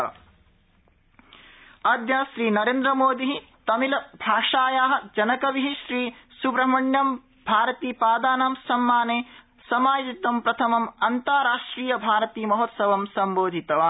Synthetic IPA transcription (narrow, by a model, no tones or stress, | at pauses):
ɐd̪jaːʃɾiːnɐɾeːnd̪ɾɐmoːd̪iɦi | t̪ɐmilɐbʱaːʂaːjaːɦɐ̆d͡ʒɐnɐkɐʋiɦiʃɾiːsubɾɐmɐɳjɐm | bʱaːɾɐt̪iːpaːd̪aːnɐmsɐmːaːneː | sɐmaːjit̪it̪ʋɐmpɾɐt̪ʰɐmɐmɐnt̪aːɾaːʂʈɾiːjɐbʱaːɾɐt̪iːmɐɦoːt̪sɐʋɐmsɐmboːd̪ʱit̪ɐʋaː